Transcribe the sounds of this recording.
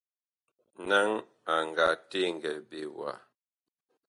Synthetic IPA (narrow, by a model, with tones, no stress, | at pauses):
na˦ŋ | a˨ŋ˨ɡa˨te˦ŋ˨ɡɛ˨lbe˨wa̰˨